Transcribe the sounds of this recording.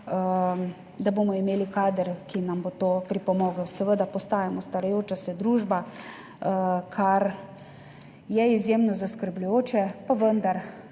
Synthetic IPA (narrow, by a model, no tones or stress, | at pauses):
ə | d̪aboːmɔimeːlikaːd̪əɾkinambot̪oːpɾipɔmɔːɡəwsɛʋəd̪apɔst̪aːjamɔst̪aɾajoːt͡ʃasɛd̪ɾuːʒba | kʰaɾ | jɛizjemnɔzaskəɾblʲujoːt͡ʃɛpaʋənd̪aɾ